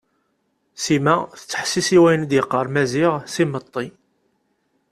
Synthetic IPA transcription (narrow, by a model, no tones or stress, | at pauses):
simæθət͡sːə̥ħsisiwæjnd̪jəqːəɾˤmæziʁsimət̪ˤːi